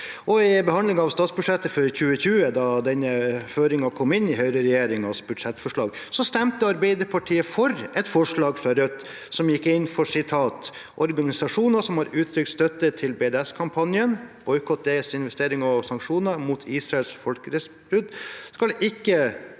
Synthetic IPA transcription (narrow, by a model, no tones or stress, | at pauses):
ʔɔɪbɛhɑnlɪŋɑɑʋst̪ɑːt̪sbʉd̪ʂɛt̪ːəføːɾçʉːəçʉːəd̪ɑd̪ɛnəføːɾɪŋɑkʰɔmɪnːɪɦœʏɾəɾɛjeːɾɪŋɑsbʉd̪ʂɛt̪ːfɔʂɭɑːɡsɔst̪ɛmt̪əɑɾbɛɪd̪əɾpʰɑʈʰiːəfɔɾɛt̪fɔʂɭɑːɡfɾɑɾœt̪ː | sɔmjɪkːɪnːfɔʂɪt̪ʰɑːt̪ | ʔɔɾɡɑnɪsɑʂuːnɑsɔmhɑɾʉːt̪ʰɾʏk̪st̪œt̪ːət̪ʰɪlbeːd̪æskʰɑmpʰɑnjənb̥ɔʏkʰɔt̪̚d̪ɛsɪnʋɛst̪eːɾɪŋɑsɑŋkʂuːnəɾmut̪ʰiːsɾɑɛlsfɔlkəɾɛsbɾʉd̪skɑlʔɪkːə